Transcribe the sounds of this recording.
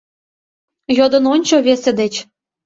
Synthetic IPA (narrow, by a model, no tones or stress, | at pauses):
jod̪ɤ̆nonʲt͡ɕoβesĕd̪et͡ɕ